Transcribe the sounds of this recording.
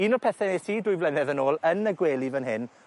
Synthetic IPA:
inɔpʰɛθɛnɛsiːdʊɨvlɛnɛðənoːlˠənːəɡweːlˠivənɦɪn

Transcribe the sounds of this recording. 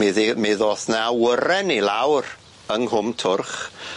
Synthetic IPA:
mɪðimɪðɔːθnawəɾɛnilawr | əŋhʊmtʰʊrχ

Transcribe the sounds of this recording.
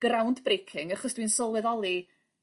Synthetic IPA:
ɡ̥rawndbrejkʰɪŋaχɔsd̥wiːnsɔlˠwɛðɔlˠi

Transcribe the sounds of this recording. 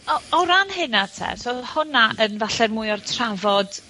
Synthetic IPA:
ɔɔɾanhɪnatʰɛ̰sɔhʊnaʔənvaɬɛrmuːɨɔrtʰravɔd̥

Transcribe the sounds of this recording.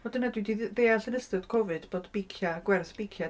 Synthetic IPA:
vɔdənadwidiðeːaɬənəstɨd̥kʰɔvɨd̥b̥oːdb̥ijkʰjaɡwɛrθb̥ijkʰja

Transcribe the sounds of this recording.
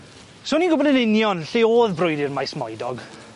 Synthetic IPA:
soːniŋɡʊbɔdənɪnjɔnɬeoːðbrʊjdirmajsmɔjdɔɡ

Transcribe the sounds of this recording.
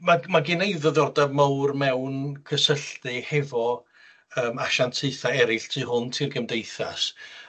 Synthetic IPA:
mamaɡɪnejðəðɔrdamawrmɛwnkʰəsəɬtɨhɛvɔ | əːmaʃantʰeɨθaɛɾɪɬtʰiːhʊntʰiːrɡəmdejθa̰s

